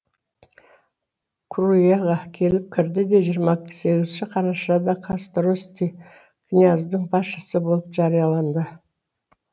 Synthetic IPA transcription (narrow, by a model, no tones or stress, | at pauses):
kʰrujaʁɑkʲʰe̞lɪp̚kʲʰɪɾd̪ɪd̪e̞ʒijəɾmɑse̞ɡʲɪzʃɪqʰɑɾɑʃɑd̪ɑqʰɑst̪ɾost̪i | ɡ̥nʲijazd̪əɴbɑsʃə̥səbo̞lˠəpʒɑɾijɑlˠɑnd̪ə